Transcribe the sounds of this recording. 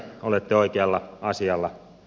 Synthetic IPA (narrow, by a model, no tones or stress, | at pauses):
olet̪ːeoikeɑlːɑɑsiɑlːɑ